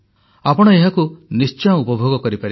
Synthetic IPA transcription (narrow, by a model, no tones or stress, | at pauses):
apɔɽ̃ɔeɦakunist͡ʃɔ̃upɔbʱoɡɔkɔɾipaɾi